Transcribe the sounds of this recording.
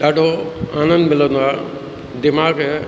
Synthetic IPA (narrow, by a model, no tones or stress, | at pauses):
d̪aːɖoaːnə̃nd̪mɪlənd̪aː | d̪ɪmaːɡe